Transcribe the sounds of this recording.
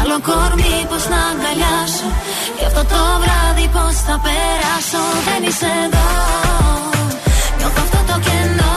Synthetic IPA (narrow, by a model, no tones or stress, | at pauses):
alokoɾmiposnaŋɡaʎaʃo | oft̪ot̪oβɾaðipost̪apeɾasoðeniseða | mot̪oft̪ot̪okeno